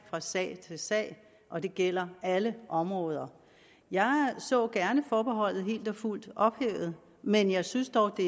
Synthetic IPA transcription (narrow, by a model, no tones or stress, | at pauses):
fʁɑ̈sɛ̰ːɪt͡sʰe̝lsɛ̰ːɪ | ʔɒ̽d̥e̝ɡ̥el̰ɐæləʔɒ̽mʁɔ̽ːð̞ˠɐ | jɑ̈ɪsɔ̰̽ːɡ̥æɐnəfɒːb̥eɦɒ̽l̰ð̞̩ˠɦe̝̰ːld̥ɒ̽ful̰d̥ɒ̽b̥heːʊð̞̩ˠ | menjɑ̈ɪsynsd̥ɒʊd̥e̝